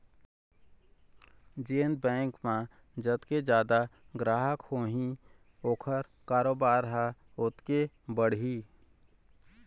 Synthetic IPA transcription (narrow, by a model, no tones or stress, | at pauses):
d͡ʒeːnbɛ̃ːŋkmã | d͡ʒət̪ked͡ʒjaːd̪a | ɡɾaːɦəkhõːɦĩ | oːkʰəɾ | kaːɾoːbaːɾɦa | ʊt̪ke | bəɽ̤ɦi